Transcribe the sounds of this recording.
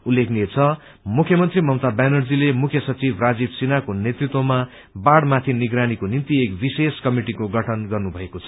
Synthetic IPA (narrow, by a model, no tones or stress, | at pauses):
ulːekʰnet͡sʰʌ | mukʰjʌmʌnt̪rimʌmt̪abanʌrd͡zilemukʰjʌsʌt͡sibʱrad͡zibsinakonjet̪rit̪wʌma | baɽmat̪ʰiniɡɾanikonimt̪iekbiseskʌmiʈikoɡʌʈʰʌnɡʌrnubʱʌekot͡sʰʌ̥